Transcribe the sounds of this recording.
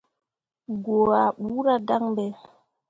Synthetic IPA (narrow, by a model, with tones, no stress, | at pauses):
ɡo˨a˨ɓu˨˦ɾa˦da˦ŋbɛ˨